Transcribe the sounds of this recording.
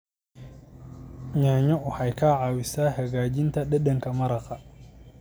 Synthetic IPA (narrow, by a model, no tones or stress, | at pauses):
ɲaːɲɔʔʊħɐjkʰaːʕaːwɪsaːhɐɣaːd͡ʒɪnt̪ʰɐɗɐɗɐŋkʰɐmɐɾɐqɐ